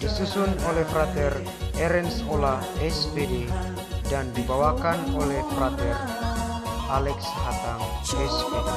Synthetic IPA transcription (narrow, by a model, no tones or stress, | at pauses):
d̥isusʊnolɛhfɾat̪ɛr | ɛɾɛnsola | ɛspede | dandibawakanolɛhfrat̪ɛr | alɛkshat̪aŋɛspɛ